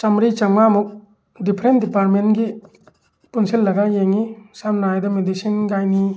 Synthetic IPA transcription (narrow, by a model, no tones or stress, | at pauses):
t͡ʃamɾit͡ʃaŋmamuk̚ | dipʰɾendipaɾ̚menɡi | punsilːɐɡajeŋisamnaajdɔmedisinɡajni